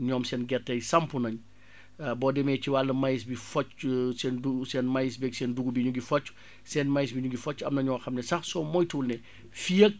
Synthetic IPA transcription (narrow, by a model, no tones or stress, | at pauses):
ɲɔːmsɛːnɡɛtːɐjsɐmpunɐɲ | bɔːdɛmɛːciwalːɐmɐjis̬bifɔt͡ʃsɛndusɛnmɐjis̬bɛksɛnduɡubiɲuɡifɔt͡ʃː | sɛnmɐjs̬biɲuɡifɔt͡ʃːɐmnɐɲɔːxɐmnɛsɐxsɔːmɔjtuːlnɛ | fijək̚